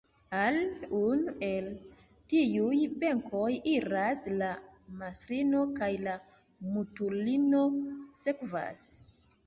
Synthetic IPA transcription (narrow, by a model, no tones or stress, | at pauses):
alunue̞l | tijujbe̞ŋkʰo̞jiɾaslamasɾino̞kajla | mutulino̞se̞kva̰s